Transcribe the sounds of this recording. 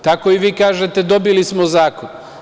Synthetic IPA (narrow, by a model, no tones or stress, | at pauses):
t̪akoiʋiːkaːʒet̪e̞d̪o̞bilismozaːkon